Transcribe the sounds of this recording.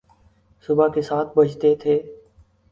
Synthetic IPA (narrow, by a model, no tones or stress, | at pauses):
sʊbʱaːkeːsaːt̪̚ʰbʱəd͡ʒt̪eːt̪ʰeː